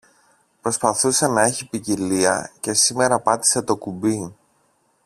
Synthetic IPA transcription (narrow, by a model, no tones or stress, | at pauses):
pɾo̞spɐθuse̞nɐe̞çipiciliɐ̰ce̞sime̞ɾɐpɐt̪i̥se̞t̪o̞kubi